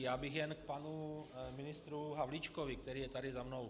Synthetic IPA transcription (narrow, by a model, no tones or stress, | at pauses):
jaːbɪxjɛnk̚panumɪnɪst̪ɾuɦavlit͡ʃkovɪkt̪ɛɾiːjɛt̪adɪzamno̞w